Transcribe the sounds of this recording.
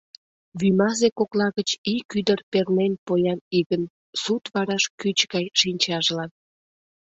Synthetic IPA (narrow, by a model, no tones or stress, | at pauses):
βymɑzekoklɑɣət͡ɕikyd̪ərpernenpojɑniɣən | sut̪βɑɾɑʃkyt͡ɕɣɑjʃinʲt͡ɕɑʒlɑn